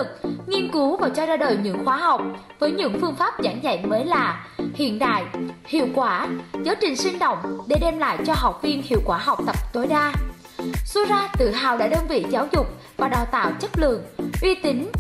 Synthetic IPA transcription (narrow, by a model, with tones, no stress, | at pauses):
ɨ˨˩k̚ŋi˧ənku˨˦wvaː˨˩t͡ɕɔ˧zaː˧ɗə̰ː˨˩jɲɨ̰˧˥ŋxwaː˨˦ɦa˨˩wk͡p̚ | vəː˨˦jɲɨ̰˧˥ŋfɨ˧əŋfaː˦˥p̚zaː˧˩ŋza̰˧˨jŋməː˨˦jlaː˨˩hḭ˧˨ənɗa̰ː˧˨jhḭ˧˨əwkwaː˧˩zəː˨˦t͡ɕï˨˩ŋ̟sï˧ŋ̟ɗə̰˧˨wŋ͡mɗe˧˩ɗe˧mla̰ː˧˨jt͡ɕɔ˧ɦa˨˩wk͡p̚vi˧ənhḭ˧˨əwkwaː˧˩ɦa˨˩wk͡p̚t̪ə˨˩p̚t̪o˨˦jɗaː˧ | su˧zaː˧t̪ɨ̰˧˨ɦa̰ː˧˨wɗa̰ː˧˥ɗəː˧nvḭ˧˨zaː˨˦wzʊ˨˩k͡p̚ | vaː˨˩ɗaː˨˩wt̪a̰ː˧˨wt͡ɕə˦˥t̚lɨ̰˧˨əŋʔwi˧t̪ï˨˦ŋ̟